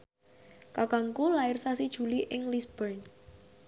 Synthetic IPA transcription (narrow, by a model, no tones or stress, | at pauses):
kakaŋkulaɪrsasid̥ʒ̥ṳliʔɪŋlisb̥ərn